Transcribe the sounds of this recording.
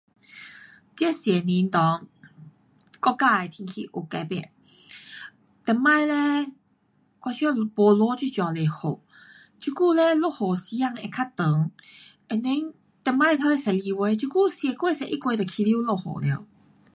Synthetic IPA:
t͡ɕɛ˦sjɛ˨˩nĩ˧˦nt̪ɔ˨˧˦ŋ | kɔ˥˧ka˥˧e˨t̪ʰĩ˧kʰi˧ʔo˨˩kɛ˧pɛ̰˧˩˨ | t̪ɛ˧˩mã˥˧˨jle˦ | kʷwa˧t͡ɕʰɔ˥˦bo˧lɔ˧˦t͡ɕu˥˧˨t͡ɕjɔ˨˩le˨˩ho̰˨˩ | t͡ɕu˧˦ku˥˨lɛ˦lo˥˨ho˨˩si˧˦ja˥˧˨ŋe˧˨kʰa˥˩t̪ə˨˦ŋ | e˨ne˦ŋ | t̪ɛ˨˧˩mã˧˨˧t̪ʰa˧˦le˧˨sɛ˨li˧we˧˦t͡ɕʰu˧˦ku˥˨sjɛ˧˩kwe˥˧˦sɛ˨˧˨ʔi˦kwe˧t̪ɔ˨˩kʰi˧li˦˨lo˥˧˨ho̰˨˩lɛ˧˨

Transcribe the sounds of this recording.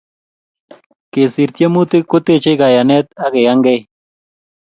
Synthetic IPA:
ke˨si˨ɾt̪je˦mu˦t̪ɪ˦ko˦t̪e˦t͡ʃe˦ka˨ja˨nɛ˦t̪a˦ke˨ja˦ŋɡɛ˦˨

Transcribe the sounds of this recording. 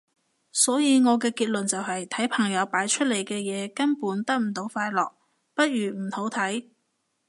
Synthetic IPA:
sɔː˨˥jiː˨˧ŋɔː˨˧k̬ɛː˧kiː˧t̚lɵ˨˩nt͡sɐ˨wɦɐ˨jt̪ʰɐ˨˥jpʰɐ˨˩ŋjɐ˨˧wpaː˨˥jt͡ʃʰɵ˥t̚le˨˩jkɛː˧jɛː˨˧kɐ˥npuː˨˥nt̪ɐ˥k̚m̩˨˩t̪o˨˥wfaː˧jlɔː˨k̚ | pɐ˥t̚ɥyː˨˩m̩˨˩ho˨˥wt̪ʰɐ˨˥j

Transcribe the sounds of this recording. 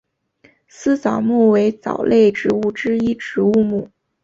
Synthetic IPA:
sɹ̩˥t͡sɑ˨˩ʊmu˥˩we˧˥ɪt͡sɑ̰˨˩ʊlʔe˥˩ɪʈ͡ʂɻ̩˧˥u˥˩ʈ͡ʂɻ̩˥i˥ʈ͡ʂɻ̩˧˥u˥˧mu˥˩

